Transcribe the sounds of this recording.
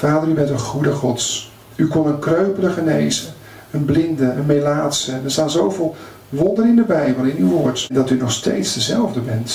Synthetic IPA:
faːdəɾybɛntənχudəχɔts | ykɔnənkrøɥpələχənḛjzən | ənblɪndəʔənmejlaːtsənəɹstaːnzowvɪːlˠ | ʋɔndəɾɪndəbɛjbəlˠɪnywʋoːɹtɛndɑtynɔχstḛjtsdəzɛlˠvdəbɛnt

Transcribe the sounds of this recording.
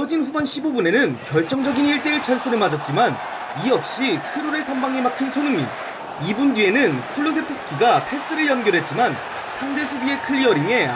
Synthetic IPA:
ʌd͡ʑinɸubanɕʰibobune̞nɯnkjʌɭt͡ɕ͈ʌŋd͡ʑʌɡiniɭt͈eɯɭt͡ɕʰaɭs͈ɯnɯɭmad͡ʑʌt̚t͡ɕ͈iman | iʌk̚ɕ͈ikʰɯɾoɾesʰambaŋemakʰinsʰonɯŋmḭn | ibundie̞nɯnkʰuɭːos̬ʰe̞pʰɯs͈ʰɯ̥kʰiɡapʰe̞s͈ɯɾɯɭjʌnɡjʌɾɦe̞t̚t͡ɕ͈iman | sʰaŋde̞sʰubie̞kʰɯʎːiʌɾiŋe̞

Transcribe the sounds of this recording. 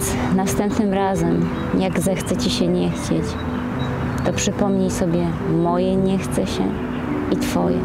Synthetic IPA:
s | nafst̪ɛmpnɘmɾazɛm | jaɡzɛxt̪sɛt͡ɕiɕɛɲɛxt͡ɕet͡ɕ | t̪ɔpʂɘpɔmɲejsɔbʲjɛ | mɔjɛɲɛxt̪sɛɕɛ̰ | it̪fɔjɛ̰

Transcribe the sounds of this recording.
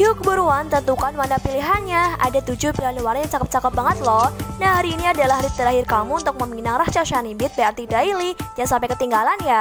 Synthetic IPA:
iukəbuɾuant̪ənt̪ukanmanapiliɦanɲaʔa̰dat̪ud͡ʒʊhpilaniwaɾajaŋt͡ʃakəp̚t͡ʃakəp̚baŋət̪̚lɔhnahhaɾiːniadalahɦɾit̪əɾaɦɪrkamuːnt̪ʊk̚məminaŋraht͡ʃaʃanimbɪt̪̚baart̪idailid͡ʒaŋsampɛjkət̪iŋɡalanja

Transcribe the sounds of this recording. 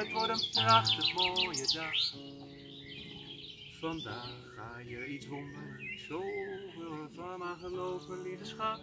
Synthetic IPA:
ətʋɔɹtənprɑχtəmoːjədɑχ | fɑndaːχaːjəitsondərsowʋɪləfɔnaːχəlowpənlidəsχɑ

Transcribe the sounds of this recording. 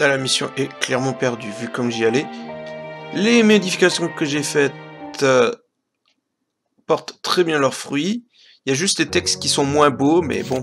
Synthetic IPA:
alamisjɔ̰̃ʔɛklɛʁmɑ̃pɛʁd̪yvykɔmʒiale | lemɔd̪ifikasjɔ̃kəʒefɛt̪ | pɔʁt̪ːχɛbjɛ̃lœʁfχɥi | iljaʒyst̪d̪et̪ɛkst̪kʲisɔ̃mwɛ̃bomɛ̰bɔ̃

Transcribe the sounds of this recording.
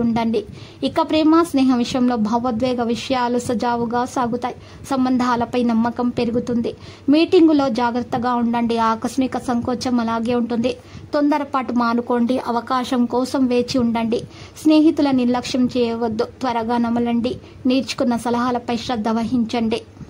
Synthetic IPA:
uɳɖɐɳɖiikːɐpɾɛːmaːsnɛːɦɐʋiʂjɐmlo̞ːbʱɐʋɐd̪ʋɛːɡɐʋiʂɐjaːlusɐd͡ʒaːʋuɡaːsaːɡut̪aːji | sɐmbɐnd̪ʱaːlɐpɐjnɐmːɐkɐmpe̞ɾuɡut̪und̪imiːʈiŋɡulo̞ːd͡ʒaːɡɾɐt̪ːɐɡaːuɳɖɐɳɖiaːkɾɐsmikɐsɐŋkoːt͡ʃɐmɐlaːɡeːuɳʈund̪i | t̪o̞nd̪ɐɾɐpaːʈumaːnuko̞ːɳɖiʔɐʋɐkaːʃɐmkɔːsɐmʋe̞ːt͡ʃiuɳɖɐɳɖi | sneːɦit̪ulɐniɾlɐkʂɐmt͡ʃɛːjɐʋɐd̪ːut̪ʋɐɾɐɡaːnɐmɐlɐɳɖi | niːɾt͡ʃu̥kunːɐsɐlɐɦaːlɐpɐjʃɾɐd̪ʱːɐʋɐɦiɲt͡ʃɐɳɖi

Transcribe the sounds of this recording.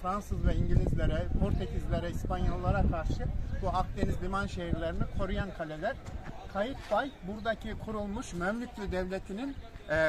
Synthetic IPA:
fɾansɯzvɛiɲɟilʲizlʲeɾɛpʰoɾt̪ʰecʰizlʲeɾɛispanjolˠːaɾakʰaɾʃɯbuak̚d̪e̞nizlʲimanʃe̞ɦiɾlʲeɾinikʰo̞ɾujankʰalʲelʲæɾ̥kʰajit̪bajbuɾd̪acʰikʰuɾulˠmuʃmømlʲycʰʲlʲyd̪ɛvlʲe̞t̪ʰinin

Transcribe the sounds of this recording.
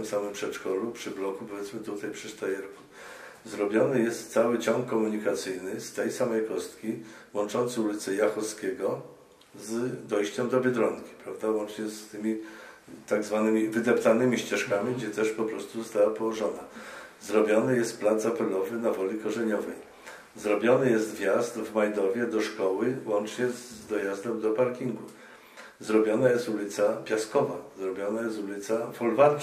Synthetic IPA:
t̪msamɘmpʂɛt͡ʂkɔlupʂɘblɔkupɔvjɛt̪mɘt̪ut̪ajpʂɘst̪ajɛɾku̥ | zɾɔbʲjɔnɘjɛst̪ːsawɘt͡ɕɔŋkːɔmuɲikat̪sɘjnɘst̪ɛjsamɛjkɔst̪kʲiwɔnt͡ʂɔnt̪sɘulʲit̪sɛjaxɔskʲɛɡɔ | zd̪ɔjɕt͡ɕɛmd̪ɔbʲɛd̪ɾɔŋkʲi̥pɾavd̪avwɔnt͡ʂɲɛst̪ɘmʲit̪aɡzvanɘmʲivɘd̪ɛpt̪anɘmʲiɕt͡ɕɛʂkamʲiɡd͡ʑɛt̪ɛʂpɔpɾɔst̪uzɔst̪awapɔwɔʐɔnazɾɔbʲjɔnɘjɛst̪̚plad̪zapɛlɔvɘnavɔlʲikɔʐɛɲɔvɛj | zɾɔbʲjɔnɘjɛst̪vʲjazt̪vmajd̪ɔvʲjɛd̪ɔʂkɔwɘwɔnt͡ʂɲɛzd̪ɔjazd̪ɛmd̪ɔpaɾkʲiŋɡu | zɾɔbʲjɔnajɛst̪ulʲit̪sapʲjaskɔvazɾɔbʲjɔnajɛst̪ulʲit̪safɔlva

